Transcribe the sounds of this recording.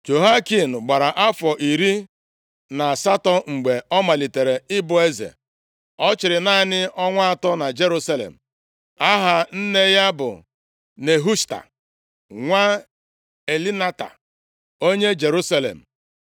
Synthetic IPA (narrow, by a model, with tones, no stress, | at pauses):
d͡ʒo˨ɦa˦ki˨n̩˨ɡ͡ba˨ɾa˨ʔa˦fɔ˨ʔi˨ɾi˦ | na˨sa˦tɔ˨ŋ͡m̩˨ɡ͡be˨ɔ˦ma˨li˨te˨ɾe˨ɪ˦bʊ˦e˦zḛ˨ | ɔ˦t͡ʃɪ˨ɾɪ˨na˦˨nɪ˦ɔ˦ŋʷa˦a˨tɔ˦na˨d͡ʒe˦ɾu˦sa˦lḛ˨m̩˨ | a˦ɦa˨n̩˦ne˦ja˦bʊ̰˨ | ne˨ɦu˦sta̰˨ | ŋʷa˦ | e˨li˦na˦ta̰˨ | o˦ɲe˦d͡ʒe˨ɾu˦sa˦lḛ˨m̩˨